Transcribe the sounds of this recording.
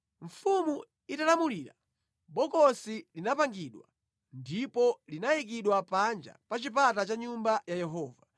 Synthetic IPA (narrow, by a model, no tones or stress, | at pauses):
ɱ̩fumu | italamuliːɾa | ɓɔkɔsilinapaŋɡiɗwa̰ | ndipɔlinajik̬iɗwapand͡ʒa̰pat͡ʃip̬atat͡ʃaɲumbajajɛɦɔːva